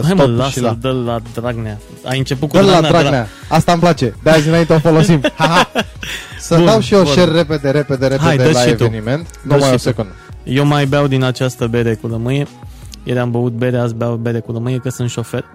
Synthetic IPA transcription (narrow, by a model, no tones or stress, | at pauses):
ajmullaʃd̪əllad̪ɾaɡnea | a̰jɨnt͡ʃe̞put̪̚kuɾlalanaɾanea | ast̪amplat͡ʃe̞d̪eazɨnaint̪eofolosimhaɦa | səud̪awʃioʃerːe̞ped̪e̞ɾeped̪eɾeɦajed̪əlaʃievueniment̪nuəmaajiosekund̪əjewmajbeawd̪inat͡ʃast̪əbe̞ɾe̞kuɾəmɨje̞jeɾambəut̪̚be̞ɾeasbeawbe̞ɾe̞kuɾəmɨje̞kəsɨnt̪ʃo̞fe̞rʲ